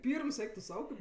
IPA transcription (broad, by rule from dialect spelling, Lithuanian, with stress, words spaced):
ˈpʲiːrms ˈɛɪk tʊ ˈsɐʊ kɐɪp